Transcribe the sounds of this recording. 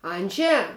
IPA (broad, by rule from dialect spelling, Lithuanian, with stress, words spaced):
ˈɐnʲd͡ʒʲɛ